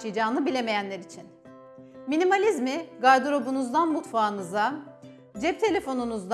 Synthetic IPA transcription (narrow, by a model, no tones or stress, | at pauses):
t͡ʃɯjd͡ʒaːnɯbilʲeme̞jænlʲeɾit͡ʃʰin | minimalʲizmiɡaɾd̪uɾo̞bunuzd̪anmut̪faːnɯza | d͡ʒɛp̚t̪ʰe̞lʲe̞fo̞nunuzd̪